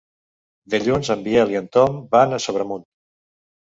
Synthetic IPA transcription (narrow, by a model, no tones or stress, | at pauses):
d̪əʎunzəmbiɛliənt̪ɔmbanəsoβɾəmun